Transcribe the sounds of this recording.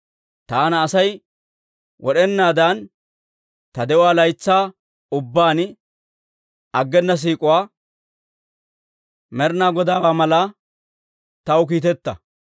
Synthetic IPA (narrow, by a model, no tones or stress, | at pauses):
t̪aːnɐːsɐj | wʔɔɗɛnːaːd̪ɐn | t̪ɐd̪ɛʊwaːlɐjt͡sːaː | ʊbːaːn | ɐɡːɛnːɐs̬iːkʼʊwaː | mɛɾnaːɡɔd̪aːwaːmɐlɐ | t̪ɐwk̬iːt̪̬ɛt̪ːɐ